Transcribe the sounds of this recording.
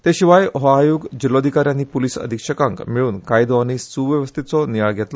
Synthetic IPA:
t̪eɕiʋajoɦaajuɡd͡ʑilod̪ʱikaɾjanːiːpuliːsə̰d̪ʱikʂəkãŋkmiɭuːnkajd̪oañisuʋjəʋəst̪ʰit̪t͡sɔnijaɭɡʱet̪l

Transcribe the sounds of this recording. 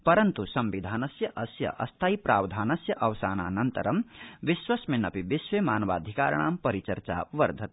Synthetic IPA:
pɐɾɐnt̪usɐmʋid̪ʱaːnɐsjɐʔɐsjɐ̰ʔɐ̰st̪ʰaːipɾaːwd̪ʱaːnɐsjɐʔɐʋsaːna̰ːnɐnt̪ɐ̰ɾɐmʋiswɐsmenɐpibisʋemaːnʋa̰ːd̪ʱika̰ːɾɳ̃aːmpɐɾit͡ʃɐɾt͡ʃa̰ʋɐɾd̪ʱɐt̪̚

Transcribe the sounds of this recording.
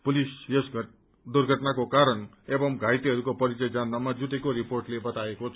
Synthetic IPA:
pulisjesɡʱ | d̪urɡʱʌʈnakokaɾʌn | ebʌmɡʱajt̪iɦʌɾukopʌɾit͡sʌjd͡zanːamad͡zuʈekoɾiporʈlebʌt̪aekot͡sʰ

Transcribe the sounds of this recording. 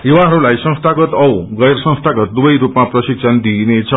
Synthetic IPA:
ewãɦʌɾulajsʌ̃ŋst̪ʰaɡʌt̪ʌwɡʌjɾsʌ̃ŋ̃st̪ʰaɡʌt̪̚d̪ubʌjɾupmaprʌsiksʰʌnd̪inet͡sʰʌ

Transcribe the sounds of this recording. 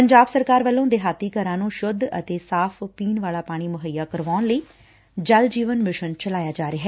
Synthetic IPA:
pəɲd͡ʒaːbsəɾkaːɾʋəlːõːd̪eːɦaːt̪iːkəɾãːnũːʃʊd̪ə̰t̪eːsaːpʰpiːnʋaːlaːpaːɽ̃iːmʊɦəjːaːkəɾʋaːʊnləiː | d͡ʒəld͡ʒiːʋənmɪʃənt͡ʃəlaːjaːd͡ʒaːɾeːɦɛː

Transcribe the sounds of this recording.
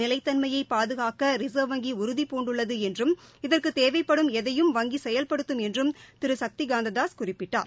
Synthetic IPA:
nɪlɐɪt̪ːɐnmɐjɐɪpːaːðɯɣaːkɐɾɪsɐːʋɐŋɡiʊɾʊðipoːɳɖɯɭːɐðɯɛndrɯmɪðɐrkɯt̪eːʋɐɪpːɐɽɯmɛðɐjɯmʋɐŋɡisɛjɐlpɐɽɯt̪ːɯmɛndrɯmt̪ɪɾɯsɐk̚t̪iɡaːnd̪ɐðaːskʊrɪpːɪʈːa̰ːɾ

